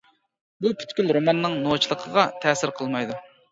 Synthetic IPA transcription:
bupʰy̥t̪kʲylɾomɛnːɪŋnot͡ʃʰilˠəqʰəʁɑt̪ʰɛːsɪɾqʰəlˠmɑjd̪u

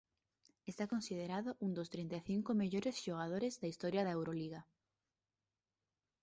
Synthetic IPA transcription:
est̪akõnsið̞eɾaðoʔũnd̪ost̪ɾint̪eθiŋkomeʎoɾesʃoɣ̞að̞oɾezðaist̪ɔɾjaðɐewɾoliɣa

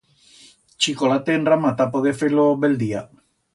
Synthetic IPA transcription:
t͡ʃikolat̪enramat̪apoðefeloβeld̪ia

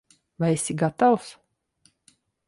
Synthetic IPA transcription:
vajesʲiɡat̪aws

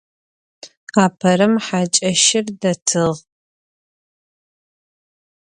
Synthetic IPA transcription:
aːpʰɐɾɨmħat͡ʃʼɐʃɪrdɐtʰɨʁ

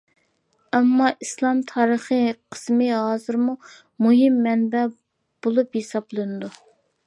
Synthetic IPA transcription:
ɛmːɑʔislˠɑmt̪ʰɑːɾəχəqʰə̥smɨɦɑːzɨɾmu | muɦimːɛnbɛ | b̥olˠupjesɑblˠɨnɨd̪u

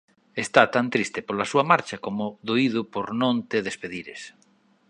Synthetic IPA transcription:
est̪at̪ant̪ɾist̪epolɐsuɐmaɾt͡ʃɐkomʊðoiðʊpoɾnõnt̪eðespeðiɾḛs

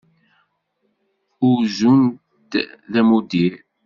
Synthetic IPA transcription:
ʊɾzuntt̪ðæmud̪iɾ

